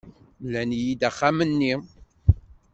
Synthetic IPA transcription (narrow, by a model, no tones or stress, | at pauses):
lænjid̪æχːamənːi